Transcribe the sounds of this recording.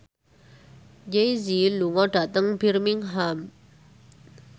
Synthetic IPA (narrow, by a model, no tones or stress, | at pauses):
d͡ʑejziluŋɔʈ͡ʂat̪aŋpirmiŋɦam